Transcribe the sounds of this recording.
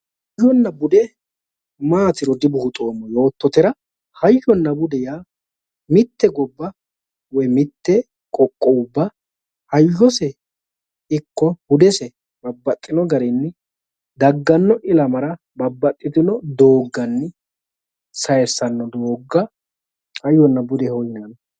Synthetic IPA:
h | jːɔnːɐbʊd̪ɛ | maːt̪ɪɾɔd̪ɪbʊhʊt̪ʼoːmːɔjo̞ːt̪ːɔt̪ɪɾɐ | hɐjːɔnːɐbʊd̪ɛja | mɪt̪ːɛɡɔbːɐ | wɔjmɪt̪ːɛ | kʼɔkʼːɔʊbːɐ | hɐjːɔsɛ | ɪkːɔhʊd̪ɛsɛ | bɐbːɐt̪ʼːɪnɔɡɐɾɛnːɪ | d̪ɐɡːɐnːɔʔɪlɐmɐɾɐ | bɐbːɐt̪ʼːɪt̪ɪnɔd̪o̞ːɡːɐnːɪ | sɐjɛsːɐnːɔd̪oːɡːɐ | hɐjːɔnːɐbʊd̪ɛhɔjɪnɐn

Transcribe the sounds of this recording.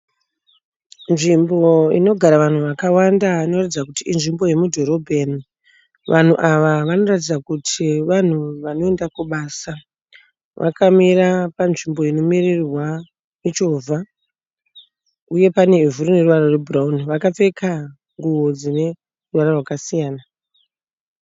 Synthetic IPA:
nʐimbo̞ḭno̞ɡʱaɾaʋan̤uʋakawandaino̞ratid͡zakutiʔːnʐimbo̞je̞mudʱo̞ɾo̞bʱeni | ʋʔan̤uʔaʋaʋano̞ratid͡zakutʰiʋan̤uʋano̞e̞ndakwuɓaːsa | ʋʔa̰kamiɾapanʐimbo̞ino̞mirirwa | mit͡ʃo̞vʱa | uje̞pane̞ivuɾune̞ruʋaɾorwebʱurauniʋakap͡fe̞kʰa | ŋɡuwo̞d͡zine̞ | ruʋaɾarwakasijaːna

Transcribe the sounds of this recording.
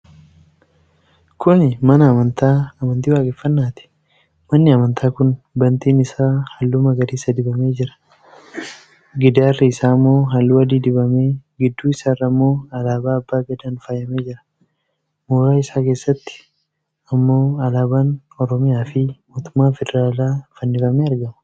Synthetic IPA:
kʰʊnmɐnɐːmɐnt̪aːɐmɐnt̪iːwaːkʼɛfːɐnːaːt̪ɪ̥ | mɐnːɪɐmɐnt̪ʰaːkʊn | bɐnt̪iːnɪsaːhɐlːuːmɐɡɐɾiːsɐd̪ɪbɐme̞ːd͡ʒɪɾɐ̥ | ɡɪd̪aːrːɐɪsaːmːo̞ːɦɐlːuːwɐd̪iːd̪ɪbɐme̞ːɡɪd̪ːuːɪsaːrːɐmːo̞ːɐlaːbaːɐbːaːɡɐd̪aːnfaːjɐme̞ːd͡ʒɪɾɐ̥ | muːɾaːɪsaːkeːsːɐt̪ːɪ̥ | ɐmːo̞ːɐlaːbaːn | ɔɾɔmɪjaːfɪmoːt̪ʊ̥mːaːfɛd̪ɛɾaːlaːfɐnːɪfɐmeːɐɾɡɐmɐ̥

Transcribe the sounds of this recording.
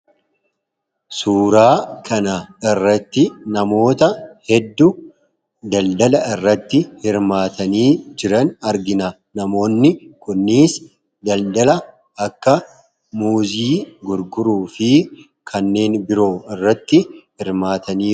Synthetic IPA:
suːɾaːkʰɐnɐɪrːɐt̪ːɪnɐmo̞ːt̪ɐhɛd̪ːʊ | d̪ɐld̪ɐlɐɪrːɐt̪ːɪhɪɾmaːt̪ɐniːd͡ʒɪɾɐnɐɾɡɪnɐ | nɐmo̞ːnːɪkʊnːiːs | d̪ɐld̪ɐlɐ | ɐkːɐ | muːziːɡʊɾɡʊɾuːfɪ | kʰɐnːe̞ːnbɪɾo̞ːɪrːɐt̪ːɪhɪɾmaːt̪ɐniː

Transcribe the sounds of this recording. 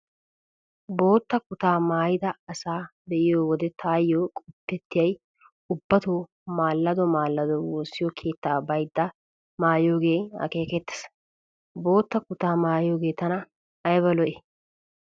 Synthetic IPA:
bo̞ːt̪ːɐkʊt̪aːmaːjɪd̪ɐɐsaːb̪ɛʔɪjoːwɔd̪ɛt̪ʰaːjːoːkʼɔpːɛt̪ːɪjɐj | ʊbːɐt̪oː | maːlːɐd̪ɔmaːlːɐd̪ɔwoːsːɪjɔkʰe̞ːt̪ːaːbɐjd̪ːɐ | maːjo̞ːɡe̞ːɐ̰ke̞ːkɛt̪ːɐ̥s | bo̞ːt̪ːɐkʊt̪aːmaːjoːɡe̞ːt̪ɐnɐ | ɐjbɐlɔʔɛ

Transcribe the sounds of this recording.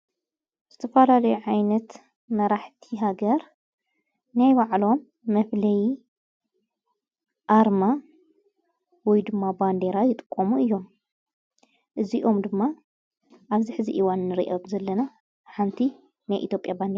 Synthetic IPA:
z̥ɨt̪ʰɐfɐlalɐjuʕajnɐt̪ | mɐɾaħt̪ʰiɦaɡɐɾ | najbaʕlo̞mː | ɐflɐji | ʔaɾma | wɔjd̪ɨmːaband̪e̞ɾajɪt̪ʼɨ̥kʼːomuɨjːo̞m | ʔɨziʔo̞md̪ɨmːa | ʔaβziħɨzḭʔiwanːɨɾḭʔɐmzɐlːɐna | ħant̪ʰi | najʔḭt̪ʰjopʼjaband̪eɾa

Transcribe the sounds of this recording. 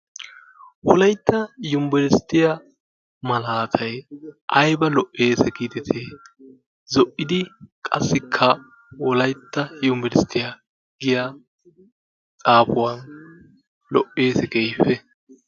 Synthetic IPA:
wɔlɐjt̪ːɐjʊmbɛɾɪst̪ːɪja | mɐlaːt̪ʰɐjʔɐjbɐlɔʔːeːsɛkiːt̪ɛt̪ʰeː | zɔʔːɪd̪ɪkʼɐsːɪkʰːɐ | wɔlɐjt̪ːɐjʊmbɛɾɪst̪ːɪja | ɡɪja | t͡sʼaːfʊwɐn | lɔʔe̞ːsɛɡejfɛ

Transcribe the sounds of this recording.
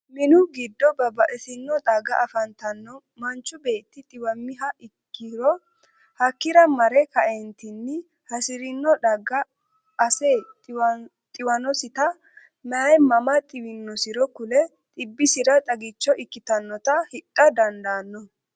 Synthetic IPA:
mɪnʊɡɪd̪ːɔbɐbɐʔɛsɪnːɔd̪ɐɡɐʔɐfɐnt̪ɐnːɔ | mɐnt͡ʃːʊbe̞ːt̪ːɪt̪ʼɪwɐmːɪɦɐʔɪkːɪɾɔ | hɐkːɪɾɐmɐɾɛkɐʔɛnt̪ɪnːɪ | hɐsɪɾɪnːɔᶑɐɡɐː | seː | t̪ʼɪwɐnɔsɪt̪ɐ | mɛɐjmɐmɐt̪ʼɪwɪnːɔsɪɾɔkʊlɛ | t̪ʼɪbːɪsɪɾɐt̪ʼɐɡɪt͡ʃːɔʔɪkːɪt̪ɐnːɔt̪ɐhɪtʼːɐd̪ɐnd̪aːnːɔ

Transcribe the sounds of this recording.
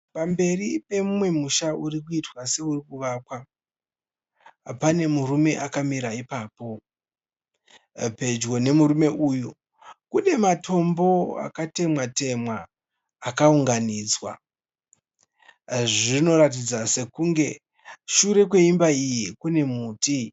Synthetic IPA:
pambe̞ripe̞mumwe̞muʃaurikuitwase̞urikuʋakwa | pane̞murume̞ʔakamiɾaipaːpo̞ | pe̞d͡ʒɡo̞ne̞muɾume̞uːju | kune̞matʰo̞mbo̞a̰kate̞mwate̞mwaː | kauŋɡaniːd͡zwa̰ | ʐino̞ɾat̬id͡zase̞kuŋɡe̞ | ʃuɾe̞k̬we̞imbaijikune̞muːti

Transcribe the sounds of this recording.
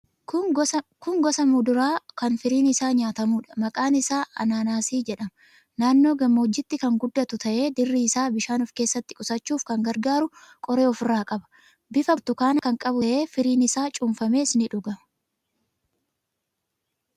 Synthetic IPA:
kʊŋɡɔsɐmʊd̪ʊɾaːkɐnfɪɾiːnɪsaːɲaːt̪ɐmuːᶑɐ̥mɐkʼaːnɪsaːɐ̰naːnaːsiːd͡ʒɛᶑɐmɐ | naːnːo̞ːɡɐmːoːd͡ʒːɪt̪ːɪkɐŋɡʊd̪ːɐt̪ʊt̪ɐʔe̞ːd̪ɪrːiːsaːbɪʃaːnɔfke̞ːsːɐt̪ːɪ̥kʼʊsɐt͡ʃːuːfkɐŋɡɐɾɡaːɾʊkʼɔɾe̞ːɔfɪrːaːkʼɐbɐ̥ | bɪfɐt̪ʊkaːnɐkɐŋkʼɐbʊʔe̞ːfɪɾiːnɪsaːt͡ʃʼʊmfɐme̞ːɪsnɪᶑʊɡɐ

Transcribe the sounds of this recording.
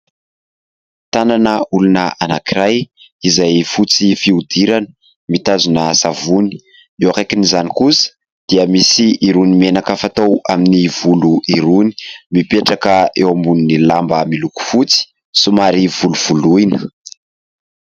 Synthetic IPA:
t̪ananəulunəanakiɾaj | izajfut͡sifiud̪iɾanə̥ | mit̪azunəsavuni̥ | ewakajkinizanikusə̥ | d̪̥iəmisiːɾunimenakəfat̪owaminiv̥uluʔiɾuni̥mipeʈ͡ʂakəewambunnilambəmiluku̥fut͡si̥ | sumaɾiv̥uluv̥uluinə̥

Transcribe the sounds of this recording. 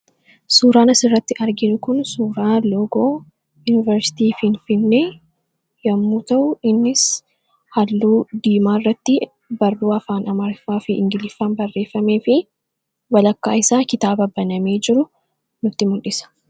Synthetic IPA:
suːɾaːnɐsɪrːɐt̪ːɪʔɐɾɡɪnʊkʊnsuːɾaːloːɡoː | juːnɪvɐɾsɪ̥t̪iːfɪnfɪnːeː | jɐmːuːt̪ɐʔʊɪnːɪs | hɐlːuːd̪iːmaːɪrːɐt̪ːɪ | bɐrːuːɐfaːnɐmɐɾfaːfɪʔɪŋɡɪlɪfːɐnbɐrːe̞ːfːɐme̞ːfɪ | wɐlɐkːa̰ːɪsaːkɪt̪aːbɐbɐnɐmeːd͡ʒɪɾʊ | nʊt̪ːɪmʊlᶑɪsɐ̥

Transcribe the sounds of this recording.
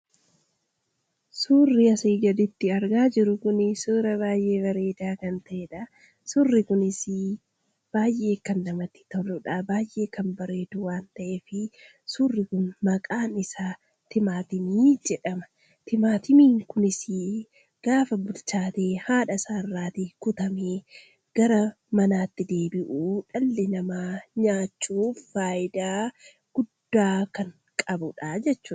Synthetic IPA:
suːrːɪɐsiːɡɐd̪ɪt̪ːɪɐɾɡaːd͡ʒɪɾʊkʊnɪsuɾɐβaːjʔe̞ːbɐɾe̞ːd̪aːkɐnt̪ɐʔeːᶑɐ | sʊrːɪkʊnɪsɪ | b̥aːjʔe̞ːkːɐndɐmɐt̪ːɪ̥t̪ɔlʊᶑaːbaːjʔe̞ːkɐmbɐɾe̞ːd̪ʊwaːnt̪ɐʔeːfɪ | suːrːɪkʊnmɐkʼaːnɪsaː | t̪ɪmaːt̪ɪmiːd͡ʒɛᶑɐmɐ̥ | t̪ɪmaːt̪ɪmiːŋkʊnɪsi | ɡ̥aːfɐbʊlt͡ʃaːt̪eːhaːᶑɐsaːrːaːt̪ikʊt̪ɐmeː | ɡ̥ɐɾɐ | mɐnaːt̪ːɪd̪e̞ːbɪʔuːᶑɐlːɪnɐmaːɲaːt͡ʃːuːfaːjɪd̪aː | ɡ̥ʊd̪ːaːkɐŋ | kʼɐbʊᶑad͡ʒɛt͡ʃːuːᶑ

